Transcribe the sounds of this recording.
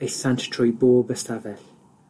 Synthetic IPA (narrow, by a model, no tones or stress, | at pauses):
əsãnttʰɹɔjbɔːbəstavɛɬ